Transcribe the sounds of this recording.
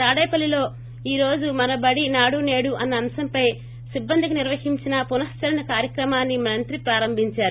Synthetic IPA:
t̪aːɽɐjpɐlːilo̞ː | iːɾo̞ːd͡ʒumɐnɐbɐɽinaːɽune̞ːɽuʔɐnːɐːmsɐmpɐj | sibːɐnd̪ʱikuniɾʋɐhiɲt͡ʃinɐpunɐst͡ʃɐɾɐnɐkaːɾjɐkɾɐmaːnːimɐnt̪ɾipɾaːɾɐmbʱiɲt͡ʃaːɾu

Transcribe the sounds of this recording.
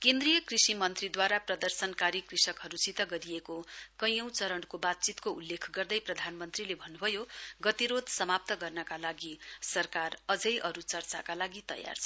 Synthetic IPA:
kend̪rijʌkrisimʌnt̪rid̪waɾaprʌd̪ʌrsʌnkaɾikrisʌkɦʌɾusit̪ʌɡʌɾiekokʌj̃ʌ̃w̃t͡sʌɾʌɳkobad̪̚t͡sit̪koulːekʰɡʌrd̪ʌjprʌd̪ʱanmʌnt̪rilebʱʌnːubʱʌjoɡʌt̪iɾod̪sʌmap̚t̪ʌɡʌrnʌkalaɡisʌrkarʌd͡zʌjʔʌɾut͡sʌrt͡sakalaɡit̪ʌ̰ja̰rt͡sʰʌ

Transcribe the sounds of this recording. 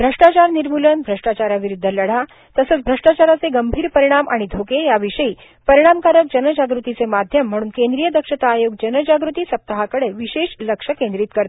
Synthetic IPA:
bʱɾəʂʈat͡ɕaɾniɾmulənbʱɾəʂʈat͡ɕaɾaʋiɾud̪ʱːələɽ̤a | t̪əsəːt͡sbʱɾəʂʈat͡ɕaɾat͡seɡəmbʱiːɾpəɾiɽ̃amaɽ̃id̪ʱokejaʋiʂəiː | pəɾiɽ̃amkaɾək̚d͡ʑənəd͡ʑaɡɾut̪it͡semad̪ʱjəmːəɽ̃uːnkẽnd̪ɾijəd̪əkʂət̪aːjoɡ̚d͡ʑənəd͡ʑaɡɾut̪iːsəp̚t̪aɦakəɽeʋiɕeʂləkʂəkẽnd̪ɾiːt̪̚kəɾt̪e

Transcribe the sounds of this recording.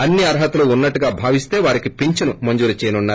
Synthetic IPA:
ɐnːiɐɾɦɐt̪uluunːɐʈːuɡaːbʱaːʋist̪e̞ːʋaːɾikipiɲt͡ʃinumɐɲd͡ʒuːɾɐt͡ʃɛːjnunːaːɾ

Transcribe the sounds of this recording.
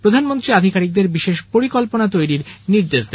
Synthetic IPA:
pɾod̪ʱanmont̪ɾiad̪ʱikaɾik̚d̪eɾbiʃeʃpoɾikolponat̪ojɾiɾniɾd̪eʃd̪ɛ

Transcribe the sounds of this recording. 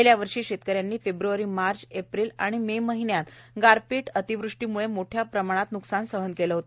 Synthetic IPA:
ljaʋəɾʂiːɕet̪̚kəɾjanːiːfebɾuʋaɾiːmaɾt͡ɕepɾiːla̰ɽ̃imeməɦinjat̪ɡaɾpiːʈət̪iʋɾuʂʈimuɭemoʈʰjapɾəmaɽ̃at̪nuksansəɦənkeləɦot̪

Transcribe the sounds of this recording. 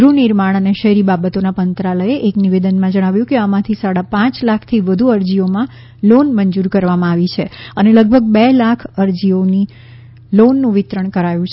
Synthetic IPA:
ɡɾuniɾmaɽ̃əneʃəɦɾibabət̪onapənt̪ɾaləjeʔekniʋed̪ənmãd͡ʒəɽ̃aʋjũkeamãt̪ʰisaɽapãt͡ʃlakʰt̪ʰiʋəd̪ʱuəɾd͡ʒiomã | lonməɲd͡ʒuɾkəɾʋamãaʋit͡ʃʰeəneləɡ̚bʱəɡ̚belakʰəɾd͡ʒioni | lonːũʋɪt̪ɾəɳ̃kəɾajũt͡ʃʰ

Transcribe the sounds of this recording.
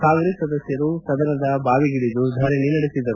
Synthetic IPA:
kaːŋɡɾesːɐd̪ɐsjɐɾusɐd̪ɐnɐd̪ɐbaːʋiɡiɽid̪ud̪ʱɐɾeninɐɽesid̪ɐɾu

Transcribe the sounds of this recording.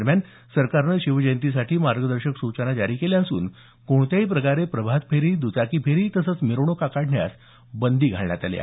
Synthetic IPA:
ɾmjan | səɾkaɾnəɕiʋd͡ʑəjnt̪isaʈʰiːmaɾɡəd̪əɾɕəksut͡ɕənad͡ʑaɾikeljaəsuːn | koɳt̪jaipɾəkaɾepɾəbʱat̪̚pʰeɾiːd̪ut͡sakipʰeɾiːt̪əsət͡smiɾoɳ̃okakaɽɳja̰s | bənd̪iːɡʱaɭɳja̰t̪al̰ja̰

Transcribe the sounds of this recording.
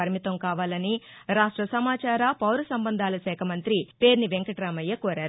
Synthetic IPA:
ɐɾimit̪ɐmkaːʋaːlɐniɾaːʂʈɾɐsɐmaːt͡ʃaːɾapɐwɾusɐmbɐnd̪ʱaːlɐsɛːkʰɐmɐnt̪ɾipe̞ːɾniʋeŋkɐʈɾaːmɐjɐkoːɾaːɾu

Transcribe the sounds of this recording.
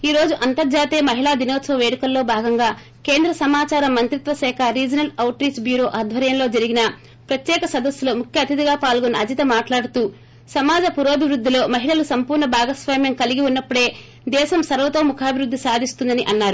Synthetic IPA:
iːɾo̞ːd͡ʒuʔɐnt̪ɐɾd͡ʒaːt̪eːmɐɦiɭaːd̪inoːt̪sɐʋɐʋeːɽikɐlːo̞ːbʱaːɡɐŋɡaː | ke̞ːnd̪ɾɐsɐmaːt͡ʃaːɾɐmːɐnt̪ɾit̪ʋɐsɛːkʰɐɾiːd͡ʒɐnɐlɐwʈɾiːt͡ʃbjuːɾo̞ːʔaːd̪ʱʋɐɾjɐmlo̞ːd͡ʒɐɾiɡinɐ | pɾɐt̪jɛːkɐsɐd̪ɐsjulo̞ːmukʰjɐːt̪id̪iɡaːpaːlɡɔnːɐɐd͡ʒ̪it̪ɐmaːʈlaːɽut̪uː | sɐmaːd͡ʒɐpuɾoɐbʱiʋɾud̪ʱːilo̞ːmɐɦiɭɐlusɐmpuːɾɳɐbʱaːɡɐsʋaːmjɐmkɐliɡiunːɐpːuɽe̞ː | d̪ɛːʃɐmsɐɾɐʋɐt̪oːmukʰaːbʱiɾud̪ʱːisaːd̪ʱist̪und̪ɐniʔɐnːaːɾu

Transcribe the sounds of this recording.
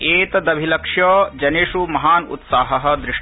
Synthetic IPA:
eːt̪ɐd̪ɐbʱilɐkʂjɐːd͡ʒɐneːʂumɐɦaːnṵt̪saːɦɐɦɐ̆d̪ɾɪʂ

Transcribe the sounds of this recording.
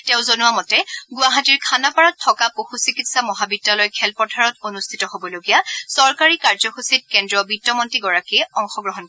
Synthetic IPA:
teʊ̃zonuwamɔtɛɡʊaɦatiɹkʰanapɔɹatʰːɔkapoxusikitsamɔɦabidːalɔjkʰɛlpɔtʰaɹɔtonustʰitɔɦobɔloɡijasɔɹkaɹikaɹzɔxusit̚kɛndɹɔbitːɔmɔntiɡɔɹakiɛɔŋxɔɡɹɔɦɔn

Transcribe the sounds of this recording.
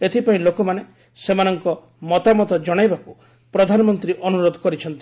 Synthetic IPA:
et̪ʰipaĩlokɔmane | semanɔŋkɔ | mɔt̪amɔt̪ɔd͡ʒɔɽ̃ajbaku | pɾɔd̪ʱanɔmɔnt̪ɾiʔɔnuɾod̪ʱɔkɔɾit͡ʃʰɔnt̪i

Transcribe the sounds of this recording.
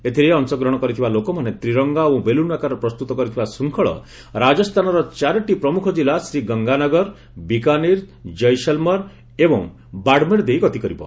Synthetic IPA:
et̪ʰiɾeɔnsɔɡɾɔɽ̃ɔkɔɾit̪ʰibalokɔmanet̪ɾiɾɔŋɡaobelunakaɾɔpɾɔst̪ut̪ɔkɔɾit̪ʰibasuŋkʰɔɭɔ̰ | ɾad͡ʒɔst̪ʰanɔɾɔt͡ʃaɾʈipɾɔmukʰɔd͡ʒilasɾiɡʌŋɡanɔɡɔɾ | bikaniɾ | d͡ʒɔjsɔlmɔɾ | ebɔŋ | baɽmeɾd̪ejkɔt̪ikɔɾibɔ̰

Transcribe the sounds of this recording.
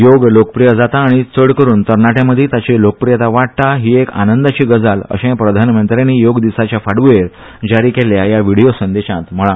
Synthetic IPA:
joɡlokəpɾijəd͡zat̪aːɽ̃it͡səɽkəɾuːnt̪əɾɳaʈjãməd̪ʱet̪at͡ɕelokəpɾijat̪aʋaɽ̚t̪aɦiːeka̰nənd̪at͡ɕiːɡəd͡zalə̰ɕẽpɾəd̪ʱanmənt̪ɾeniːjoɡd̪isat͡ɕjafaɽʋeɾ | d͡ʑaɾiːkeljajaʋiɽijosənd̪eɕãt̪m̤əɭã

